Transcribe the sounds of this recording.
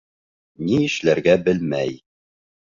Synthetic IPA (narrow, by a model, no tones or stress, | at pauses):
niɘ̆ʃlæɾɡæbɘlmæj